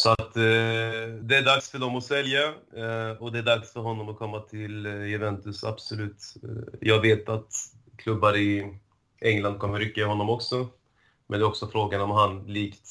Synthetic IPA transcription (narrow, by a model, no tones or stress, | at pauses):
sɔat̪ | d̪ɛæɖaksfœɖɔmɔsɛlja | ɔd̪ɛæɖaksfœɾɦɔnːɔmɔkʰɔmːat̪ʰɪljʊvɛnt̪ɵsa̰bsɔlʉ̟ːt̪jʔɑːɡveːt̪at̪kʰlɵbːaɾɪ | ɛŋːland̪̚kʰɔmːəɾʏkːaɪɦɔnːɔmɔksɔ | mɛ̰nɛːɾɔksɔfɾoːɡanɔmhanliːkt̪